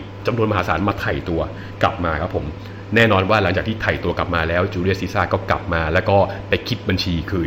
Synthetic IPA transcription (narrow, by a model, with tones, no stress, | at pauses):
t͡ɕa˧mnu˧nma˧ɦaː˩˦saː˩˦nmaː˧t̪ʰa˨˩jt̪u˧ɐ | kla˨˩p̚maː˧kʰa˦˥pʰo˩˦m | nɛː˥˩nɔː˧nwaː˥˩la˩˦ŋt͡ɕaː˨˩t̪ʰiː˥˩t̪ʰa˨˩jt̪u˧ɐkla˨˩p̚maː˧lɛː˦˥wt͡ɕuː˧ɾi˥ət̪̚si˦˥saː˥˩kɔː˥˩kla̰˨˩p̚maː˧lɛː˦˥wkɔː˥˩pa˧jkʰi˦˥t̪̚ba˧nt͡ɕʰiː˧kʰɯː˧